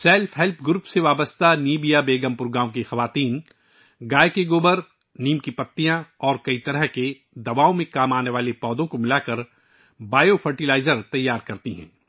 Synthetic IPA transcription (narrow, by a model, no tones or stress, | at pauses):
sɛːlfɦɛlpʰɡʊɾuːpseʋaːbəst̪aniːbijabeːɡəmpʊɾɡaːõkexɐʋaːt̪iːn | ɡaːekeɡoːbəɾ | niːmkipɐt̪ːijãɔːɾkɐit̪ɐɾəɦke | d̪ɐbaːõmẽkaːmaːneʋaːlepɔːd̪õkomɪlaːkɐɾ | baːjofʰɐɾʈilaːɪzəɾt̪ɐjːaːɾkɐɾt̪iɦɛ̰̃ː